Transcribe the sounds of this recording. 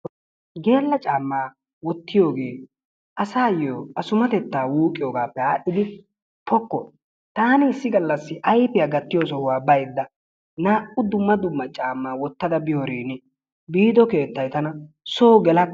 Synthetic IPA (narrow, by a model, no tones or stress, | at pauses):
ɡe̞ːlːɐt͡ʃʼaːmːaː | wɔt̪ːɪjo̞ːɡe̞ː | ʔɐsaːjoːɐsʊmɐt̪ɛt̪ːaːwuːkʼɪjoːɡaːpːɛaːɗːɪd̪ɪ | pɔkːɔ̰ | t̪aːnɪɪsːɪɡɐlːɐsːɪʔɐjpɪjaɡɐt̪ːɪjoːsɔwʊwaːbɐjd̪ːɐ | naːʔʊd̪ʊmːɐd̪ʊmːɐt͡ʃʼaːmːaːwɔt̪ːɐd̪ɐbɪjoɾiːnɛ | biːd̪ɔke̞ːt̪ːɐjt̪ɐnɐ | soːɡɛlɐ